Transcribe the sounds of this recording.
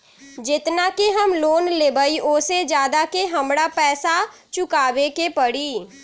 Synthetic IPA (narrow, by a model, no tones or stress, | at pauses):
d͡ʒɪt̪nakeɦəmloːnleːbəiʔoːsed͡ʒjaːd̪akeɦəmɽapɛːsa | t͡ʃʊkaːʋekepəɽiː